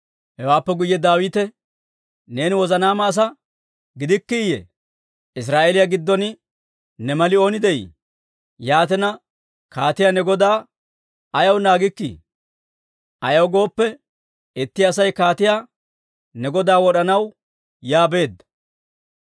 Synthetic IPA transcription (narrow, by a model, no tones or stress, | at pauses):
hɛwaːpːɛɡʊjːɛd̪aːwiːt̪ɛ | ne̞ːnɪwɔzɐnaːmaːs̬ɐ | ɡɪd̪ɪkːɪɪjɛ̰ | ɪs̬ɾaːʔeːlɪjaɡɪd̪ːɔnɪ | nɛmɐlɪo̞ːnɪd̪ɛjɪ̰ | jaːt̪ɛnɐ | kaːt̪ɪjanɛɡɔd̪aː | ɐjɐwnaːɡɪkːḭ | ʔɐjɐwɡo̞ːpːɛ | ɛt̪ːɪɐsɐjkaːt̪ɪjaː | nɛɡɔd̪aːwɔɗɐnɐw | jaːbe̞ːd̪ːɐ̥